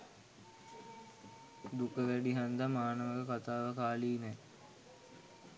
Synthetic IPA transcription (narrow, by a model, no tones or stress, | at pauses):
d̪ukəʋæɖiɦand̪amaːnəʋəkəkat̪aːʋəkaːliːnɛ